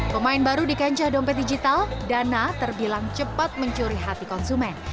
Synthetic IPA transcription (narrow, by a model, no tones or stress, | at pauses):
pəmaɪnbaɾudikaɲt͡ʃahdɔmpɛt̪̚did͡ʒit̪aldanat̪ərbilaŋt͡ʃəpat̪̚məɲt͡ʃuɾiɦat̪ikɔnsumɛn